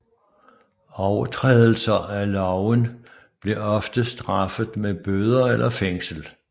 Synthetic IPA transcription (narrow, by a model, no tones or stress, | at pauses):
ɒʊɐt͡sʰʁɛ̰ːðˠl̩sɐælɒʊən | b̥le̝ɒ̽fd̥əsd̥ʁɑ̈fð̩ˠmeb̥øð̞ˠɐelʔɐfeŋ̰sl̩